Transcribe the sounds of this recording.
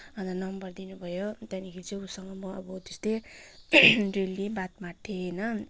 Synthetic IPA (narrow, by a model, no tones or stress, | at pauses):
ʌnd̪anʌmbʌrd̪inubʱʌjot̪janikʰiit͡sʌ̃usʌŋʌmʌʌbʌt̪est̪e | relːibat̪maʈʰːenʌ